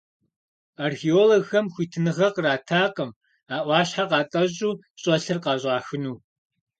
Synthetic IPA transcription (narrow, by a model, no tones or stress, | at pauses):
aːrxioːloɡxɐmxʷiːtʰɨnɨʁɐqəraːtʰaːqəm | aːʔʷɑːɕħaqɑːtʼɐʑuː | ɕʼɐɬɨrqɑːʑʼɑːxɨnuː